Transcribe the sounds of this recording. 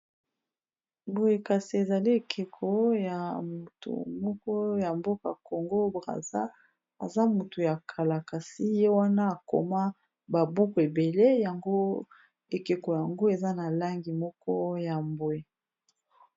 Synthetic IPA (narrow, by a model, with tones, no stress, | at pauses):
mbo˨e˨ka˨si˨e˨za˨li˦e˨kʰe˨kʰo˨ja˨mu˨tṵ˨mɔ˦kɔ˦ja˨mbo˦ka˨ko˨ŋɡo˦bʁa̰˨za˦ | a̰˨za˦mu˨tu˨ja˨kʰa˨la˨ka˨si˦je˦wa˦na˦a˨ko̰˨ma˦ | ba˨bu˦ko˨e˨be˨le˦ja˨ŋɡo˦ | e˨ke˨ko˨ja˨ŋɡo˦e˨za˦na˨la˦ŋɡi˨mɔ˦kɔ˦ja˨mbwe˨